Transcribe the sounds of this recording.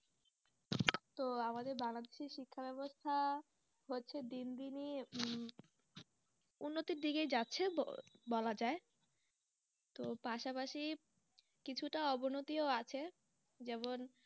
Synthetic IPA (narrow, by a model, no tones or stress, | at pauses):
t̪oamad̪eɾbaŋlad̪eʃeɾʃikʰːabɛbost̪ʰa | ɦotːɕʰed̪ind̪ini | unːot̪iɾd̪iɡed͡ʑatːɕʰebɔlad͡ʑae | t̪opaʃapaʃi | kit͡ɕʰuʈaɔbonot̪ioat͡ɕʰe | d͡ʑɛmon